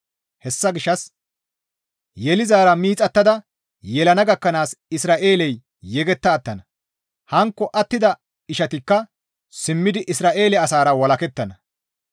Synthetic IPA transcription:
hɛsːɐɡɪʃːɐs | jɛlɪzaːɾɐmiːt͡sʼɐt̪ːɐd̪ɐ | jɛlɐnɐɡɐkːɐnaːsɪsɾaːʔe̞ːlɛjː | ɛɡɛt̪ːɐːt̪ːɐnɐ | hɐŋkːɔʔɐt̪ːɪd̪ɐ | ɪʃɐt̪ɪkːɐ | sɪmːɪd̪ɪʔɪsɾaːʔe̞ːlɛɐsaːɾɐwɐlɐkɛt̪ːɐnɐ

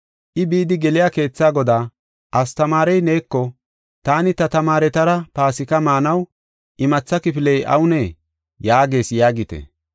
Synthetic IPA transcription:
ʔɪbiːd̪ɪɡɛlɪjaːke̞ːt͡sːaːɡɔd̪aː | ʔɐst̪ɐmaːɾɛjneːkːɔ | t̪aːnɪt̪ɐt̪ɐmaːɾɛt̪ɐɾɐpaːsɪkɐmaːnɐw | ʔɪmɐt͡sːɐkɪpɪlɛjʔɐ̰wʊneː | jaːɡe̞ːsjaːɡɪt̪ɛ̰

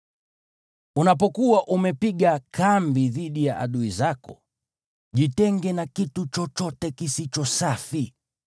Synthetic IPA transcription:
unap̬ɔkuwaʔumɛpiɠakʰambiðiɗijaʔa̰ɗuizakɔ | ʄitɛŋɡɛnakitut͡ʃɔt͡ʃɔtɛkisit͡ʃɔsafi

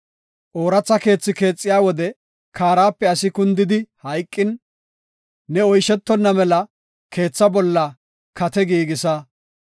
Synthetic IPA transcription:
ʔoːɾɐt͡sːɐke̞ːt͡sːɪke̞ːt͡sʼːɪjaːwɔd̪ɛ | kaːɾaːpːɛɐsɪkʊnd̪ɪd̪ɪhɐjkʼːɪn | ɛɔjʃɛt̪ːɔnːɐmɛlɐ | kʰe̞ːt͡sːɐbɔlːɐ | kɐt̪ɛɡiːɡɪsɐ

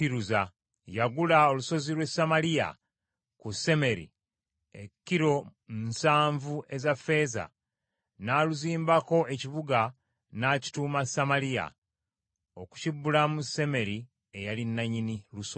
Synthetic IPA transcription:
iɾuza | jaɡulao̞luso̞zilwe̞samalija̰ | kuse̞me̞ɾḭ | ḛkːiɾo̞nsaːɱvue̞zafe̞ːza̰ | naːluziːmbako̞e̞ciβuɡa | naːci̥tuːmasamalija̰ | o̞ku̥cibːulamuse̞me̞ɾi | e̞jalinːaɲiniluso

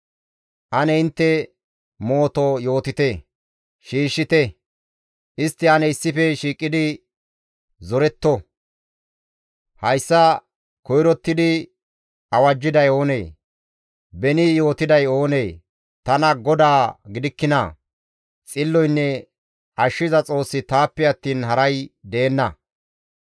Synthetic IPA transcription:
ʔɐnɛɪnt̪ːɛ | mo̞ːt̪ojo̞ːt̪ɪt̪ɛ | ʃiːʃːɪt̪ɛ | ʔɪst̪ːɪɐnɛɪsːɪfɛʃiːkʼːɪd̪ɪ | zɔɾɛt̪ːɔ | hɐjsːɐ | kɔjɾɔt̪ːɪd̪ɪ | ɐwɐd͡ʒːɪd̪ɐjo̞ːnḛː | bɛnɪjo̞ːt̪ɪd̪ɐjo̞ːne̞ː | t̪ɐnɐɡɔd̪aːɡɪd̪ɪkːɪnɐ̰ | t͡sʼɪlːɔjnːɛ | ʔɐʃːɪzɐt͡sʼo̞ːsːɪt̪aːpːɛɐt̪ːiːnɦɐɾɐjd̪e̞ːnːɐ

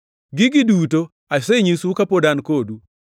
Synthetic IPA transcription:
ɡɪɡɪduto | aseɲisukapodankodu

